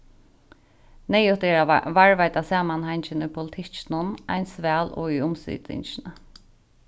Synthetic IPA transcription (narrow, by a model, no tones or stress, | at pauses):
nɛjʊht̪ɛːɾaʋaɹvajt̪asaːmanhajɲt͡ʃɪnʊjpʰʊlɪt̪ʰɪt͡ʃnʊna̰jnsʋæːlɔ̰ʏjʊmsʏ̰ːt̪ɪ̰ɲt͡ʃɪnə